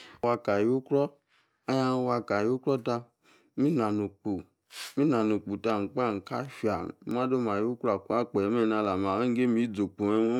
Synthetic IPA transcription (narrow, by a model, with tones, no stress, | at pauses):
wa˧ka˨ju˦kɾɔ˦ | a˦ja˧n˧wa˧ka˨ju˦kɾɔ˦ta˧ | mi˦na˨nu˨k͡pu˨ | mi˦na˨nu˨k͡pu˨ta˧˨ŋ̩˨k͡pa˦˨ŋ̩˨ka˦fa˨˦ma˦do˦ma˨ju˦kɾa˨ka˦k͡pe˨me˦˨na˧la˨ma˨e˦ŋ˦ɡe˦mi˦d͡zo˨k͡po˨e˦